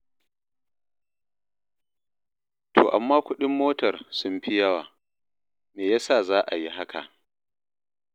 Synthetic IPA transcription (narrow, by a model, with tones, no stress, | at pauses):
tʰo̰ː˨ʔa˨mːaː˦kʷʊ˦ɗɪ˦mːoː˦tɐ˨rsʊ˦mɸi˦jɐ˦waː˨ | meː˨jaː˦saː˦˨zaː˦ʔa˨ji˦ɦa˦ka̰˨ʔ